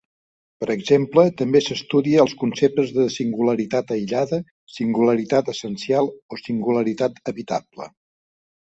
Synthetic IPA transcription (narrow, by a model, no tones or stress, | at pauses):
pəɾəɡzemplət̪əmbesəst̪uðiəːlˠskunsep̚t̪əzðəsiŋɡuləɾit̪at̪əjʎaðə | siŋɡuləɾit̪at̪əsənsialˠosiŋɡuləɾit̪at̪əβit̪a̰plə̰